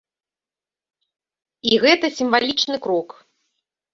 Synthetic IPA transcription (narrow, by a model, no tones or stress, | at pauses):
iɣɛt̪ɐsʲimvalʲit͡ʂnɨkɾɔk